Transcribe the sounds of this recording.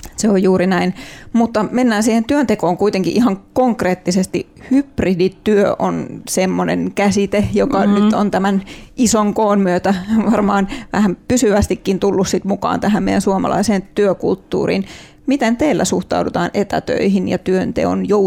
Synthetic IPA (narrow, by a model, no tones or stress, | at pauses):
seojjuːɾinæinmut̪ːɑmenːæːnsiːhent̪yønt̪ekoːŋkuit̪eŋkiʔihɑŋkoŋkreːt̪ːisest̪i | hypridit̪yøʔonsemːonḛnkæsit̪ejokɑnyt̪ont̪æmænʔisoŋkoːnmyøt̪æʋɑrmɑːnʋæhæmpysyʋæst̪ikːint̪ulːussit̪mukɑ̰ːnt̪æhæmmḛijænsuɑmɑ̰lɑ̰iseːnt̪yøkṵlt̪ːṵːrḭːn | mit̪ent̪eːlːæ̰suht̪ɑ̰udut̪ɑːnʔet̪æ̰t̪ø̰ihinjɑ̰t̪yønt̪ḛo̰njo